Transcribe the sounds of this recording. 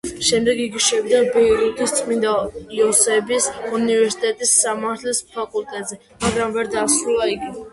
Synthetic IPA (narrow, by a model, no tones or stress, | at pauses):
ʃɛmd̪ɛɡiɡiʃɛvid̪abɛɾud̪ist̪sʼmind̪aiɔsɛbisunivɛɾsi̥t̪ʼɛt̪ʼisːamaɾt̪ʰlispʰakʼult̪ʼɛt̪ʼzɛ | maɡɾamvɛɾd̪asɾulˠaiɡi